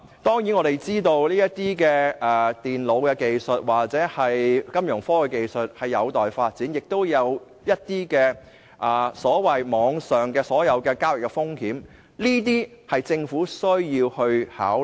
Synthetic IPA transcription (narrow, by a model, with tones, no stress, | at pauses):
t̪ɔː˥ŋjiː˨˥nŋɔː˨˧t̪e˨jt͡siː˥t̪o˧wliː˥jɐ˥tt̪iː˥kɛː˧ʔːt̪iː˨˩nlo˨˧wkɛː˧ke˨jsɵ˨t̚waː˨˩k̚t͡sɛː˨˥hɐ˨jkɐ˥mjœ˨˩ŋfɔː˥kɛ˧ke˧jsɵ˨t̚hɐ˨˩jːɐ˨˧wt̪ɔː˨jfaː˧t̚t͡siː˨˥njɪ˨k̚t̪o˥wjɐ˨˧w | jɐ˥t̚t̪iː˥kɛː˧ | ʔaː˨˩sɔː˨˥wɐ˨jmɔː˨˧ŋsœː˨ŋkɛː˧sɔː˨˥jɐ˨˧wkɛː˧kaː˥wɪ˨˩kːɛ˧fʊ˥ŋhiː˨˥m | liː˥t̪̬iː˥hɐ˨jt͡sɪ˧ŋfuː˨˥sɵ˥ɥjiː˧whɵ˧ɥha̰ː˨˥w